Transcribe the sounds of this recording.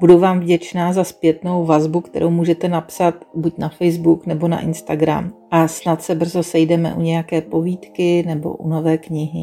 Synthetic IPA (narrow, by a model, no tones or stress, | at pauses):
b̥uduvaːmvɟɛt͡ʃnaːzaspjɛt̪no̞wvazbukt̪ɛ̰ɾʔowmuːʒɛt̪ɛnapsat̪bucnafɛjzbuknɛbo̞na̰ʔɪnst̪aɡɾa̰mʔasnat̪sɛbr̩zo̞sɛjdɛmɛ̰ʔuɲɛjakɛːpo̞viːt̪kɪnɛbo̞̰ʔuno̞vɛːkɲɪɦɪ